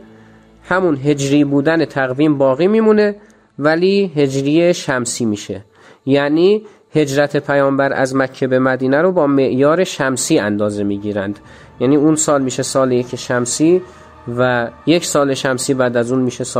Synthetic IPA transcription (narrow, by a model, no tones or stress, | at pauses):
hæmunɦe̞d͡ʒɾiːbuːd̪ænet̪ʰæɣviːmbɒːɣiːmiːmune̞ | væliːɦe̞d͡ʒɾiːjeʃæmsiːmiːʃe | jæniː | he̞d͡ʒɾæt̪ʰe̞pʰæjɒːmbæɾʔæ̰zmækʰːebe̞mæd̪iːnæɾobɒːme̞ʔjɒːɾe̞ʃæmsiːænd̪ɒːze̞miːɟiːɾænd̪̥ | jæːniːuːnsɒːlmiːʃesɒːlejecʰeʃæmsiː | væje̞cʰsɒːle̞ʃæmsiːbæːd̪æzuːnmiːʃes